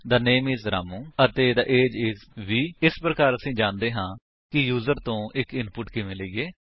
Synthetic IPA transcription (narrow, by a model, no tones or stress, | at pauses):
d̪aːneːmiːzɾa̰ːmũːət̪eːd̪aːʔeːd͡ʒɪːzʋiːɪspɾəkaːɾəsĩːd͡ʒãːnd̪eːɦãː | kɪjuːzəɾt̪õːʔɪkɪnpʊʈkɪʋẽːləiːɡeː